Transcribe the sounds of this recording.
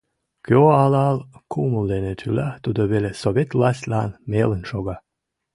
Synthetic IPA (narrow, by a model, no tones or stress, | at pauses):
køoɑlɑlˠkʰuməlˠd̪enet̪ʰylat̪ud̪əβelesovʲet̪lˠɑsʲt̪ʲlʲanmelə̆nʃoɡɑ